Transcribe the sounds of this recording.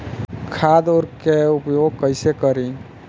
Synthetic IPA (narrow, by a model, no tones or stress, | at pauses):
kʰad̪oɾkeupjoɡ̚kəɪsekəɾi